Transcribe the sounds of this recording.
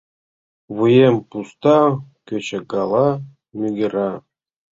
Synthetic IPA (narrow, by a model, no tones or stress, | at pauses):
ʋɯjempust̪ɑkʲøt͡ɕɘ̆ɡɑlˠɑ | mʲyɡʲĕɾɑ